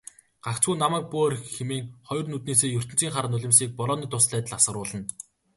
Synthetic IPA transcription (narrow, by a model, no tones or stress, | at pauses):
ɢ̥akt͡sɡuːnamæːk̚puɔrxxemeːŋχɔjɞ̆rnut̪̚neːseːjɵr̥t̪ɘ̆nt͡siːŋχaɾə̆nʊɮʲɪ̆msiːk̚pɔɾɔːniːt̪ʰʊsɮæːt̪ə̆ɮasə̆ɾʊːɮə̆n